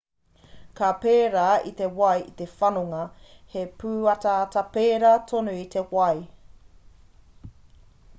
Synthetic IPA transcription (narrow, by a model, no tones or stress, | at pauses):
kapeːɾait̪e̞wɐjit̪e̞fɐnoŋɐhepʰʉːɐtaːtɐpeːɾat̪ʰonuit̪ʰe̞wɐj